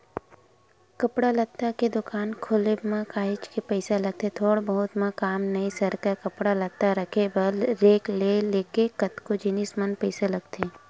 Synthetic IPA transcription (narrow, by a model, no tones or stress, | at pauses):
kɐpɽalɐt̪ːaked̪ʊkaːnkʰʊlemãkʰaːɦɪt͡ʃkepɛɪsalɐɡ̚t̪ʰet̪ʰoːɽbəɦʊt̪mãkaːmnɐisɐɾkakɐpɽalɐt̪ːaɾɐkʰebɐlɾeːkleleːkekɐt̪kod͡ʒɪnismɐnpɛɪsalɐɡ̚t̪eː